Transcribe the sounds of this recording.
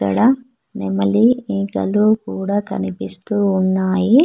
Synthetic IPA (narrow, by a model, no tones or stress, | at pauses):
ɐ̰ɽɐ | nemɐliiŋkɐ̰luːkuːɽaːkɐ̰nipist̪uːunːaːji